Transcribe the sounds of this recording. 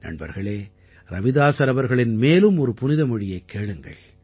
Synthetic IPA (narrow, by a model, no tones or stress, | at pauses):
nɐ̰ɳbɐ̰ɾɣɐɭeː | ɾɐʋɪðaːsɐɾɐʋɐɾɣɐɭɪnmeːlɯmɔɾɯpʊnɪðɐmʊɻɪjɐɪkːeːɭɯŋɡɐ̰ɭ